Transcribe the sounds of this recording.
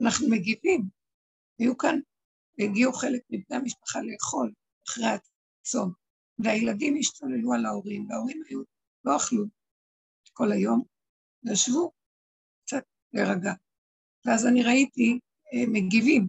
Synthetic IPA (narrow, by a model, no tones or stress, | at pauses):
anaχnumeɡivim | hajukan | eɡiuχe̞lek̚mibne̞amiʃpḁχaleːχo̞l | aχʁeat | t͡so̞n | veajeladimiʃtale̞lualao̞ʁimveao̞ʁimhaju | lo̞aχlu | ko̞lajo̞m | naʃvu | kt͡sat̚ | le̞ʁaɡa | veazaniʁaiti | me̞ɡivim